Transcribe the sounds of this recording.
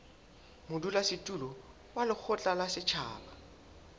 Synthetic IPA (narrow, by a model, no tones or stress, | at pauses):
mʊdulasɪtʼulɔ | walɪk͡xʰʊt͡ɬʼalasɪt͡ʃʰa̰ːla